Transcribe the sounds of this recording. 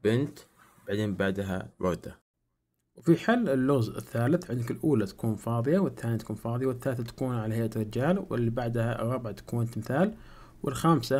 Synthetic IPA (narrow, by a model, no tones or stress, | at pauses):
b̥ɪnt̪ | baʕd̪eːnbaʕd̪ɦa̰bɑɣd̪a | wfiħalːɪlːʊɣzɪ̰θːaːlɪθʕɪnd̪ɪkɪlʔuːlat̪ḁkuːnfɑːðˤɨjawɪθːaːnit̪ḁkuːnfɑːðˤɪjawɪθːaːlθat̪ḁkuːnʕalahajʔat̪ɾɪd͡ʒaːlwɪ̰lːibaʕd̪ha̰rˤːɑbʕat̪ḁkunt̪mɪθaːl | wʔɪlxaːmsa